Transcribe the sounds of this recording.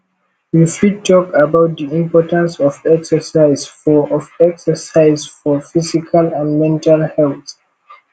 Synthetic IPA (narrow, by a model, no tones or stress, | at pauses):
wifitʰɔkabaʊt̚d̪iĩmpɔtãnsɔfɛksəsaɪzfɔʔɔfɛksəsaɪzfɔfisikʰalãnmɛ̃ntʰalhɛlθ